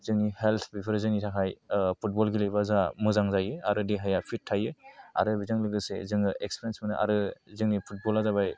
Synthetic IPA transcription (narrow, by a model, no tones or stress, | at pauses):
z̥ɯŋnihelt̪ʰbipʰɯɾzɯŋnitʰaɦʰajpʰut̚bɔlɡilɯjbazamɯzaŋzajɯaɾɯdiɦajapʰit̚ʰːajɯa̰ɾɯbizaŋlɯɡɯsḛzɯŋɯʔekspiɾjensmɯnɯʔa̰ɾɯzɯŋnipʰut̚bɔlazaβaj